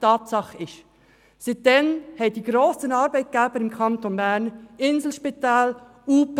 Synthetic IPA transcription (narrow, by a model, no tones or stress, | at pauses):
tʰɑːtsɑχəɪʃ | sit̚dɛnhɛd̥iːɡɾoːsənɑɾbaɪt̚ɡ̥ɛːbəɾɪmkʰɑntonbæɾnɪnzl̩ʃpitaːl | uːp